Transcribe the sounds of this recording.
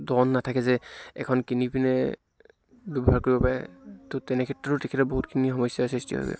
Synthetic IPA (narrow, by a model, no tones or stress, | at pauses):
dɔnːatʰakɛzɛɛ̰kʰɔnkinipinɛ | dubʱaɹkoɹibɔpaɹɛ̰totɛnɛkʰɛtːɹɔtʊtɛkʰɛtɛboɦutkʰinixɔmɔsjasɹistiɦɔ̰bɛ̰